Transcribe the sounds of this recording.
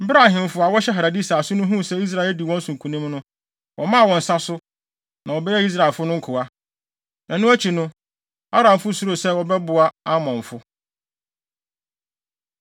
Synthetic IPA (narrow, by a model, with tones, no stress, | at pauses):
bɾa˦˨hɪ̃˨m˨fʊ˦a˨wɔ˦ɕɛ˦ɦa˨ɾa˨di˦saː˨sʊ˦nʊ̃˦ɦũ˦sɛ˦i˦s̬ɾa˨ɪ˨˦di˨wɔ̃˦n̩˦sũ˨kʰũ˨nĩ˦mnʊ̃˦ | wɔ˨mã˦˨wɔ̃˨n̩˨sa˦sʊ˦ | nã˨wɔ˨bɛ˦jɛ˦i˦s̬ɾa˨ɪ˨lfʊ˦nʊ̃˦ŋ̩˦kʰʊ˨a˦ | nã˨nʊ̃˦æ˦t͡ɕʰi˨nʊ̃˦ | a˦ɾã˨m˨fʊ˦su˦ɾo˨sɛ˦wɔ˦bɛ˦bʊ˨a˦a˦mɔ̃˨ɱ˨fʊ˦